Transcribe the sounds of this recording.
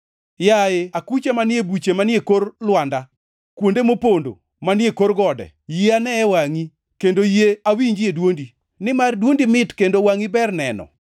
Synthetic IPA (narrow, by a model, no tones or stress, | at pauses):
jaeakut͡ʃamanɪebut͡ʃemanjekorlwanda | kwondemopondo̰ | manɪekorɡɔdɛ̰ | jeanɛːwaŋi | kendojeawiɲd͡ʒedwondi | nɪmardwondimɪtkendowaŋibɛrnɛnɔ̰